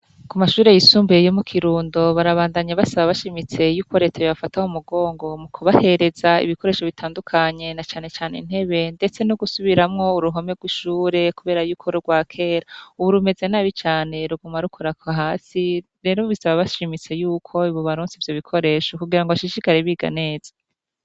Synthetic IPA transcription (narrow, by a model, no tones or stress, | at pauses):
kumaʃuːɾe̞jisuːmbeejomukʰiɾuːndo̞βaɾaβaːndaɲaβasaβaβaʃimit͡se̞juːko̞ɾe̞ːtajoβafatahumuɡo̞ːŋɡo̞mukʰuβahe̞ɾe̞zaḭβiko̞ɾeʃo̞βitʰaːndukʰaɲe̞nat͡ʃaːne̞t͡ʃaːnḭn̥he̞βe̞nde̞t͡se̞nuɡusuβiɾamŋo̞uɾuɦo̞me̞ɡwiʃuːɾe̞kuβe̞ːɾajuːkʰoɾoɾɡwaːkʰe̞ːɾauβuɾume̞ze̞naːβit͡ʃaːne̞ɾuɡumaɾukʰoɾakaɦaːsi | ɾe̞ːɾo̞βisaβaβaʃimit͡se̞juːkʰo̞iβoβaɾuːnsivjo̞βikʰo̞ɾe̞ːʃo̞kuɡiɾaŋɡoβaʃiʃikaɾeβiɡa̰ne̞ːz̥ḁ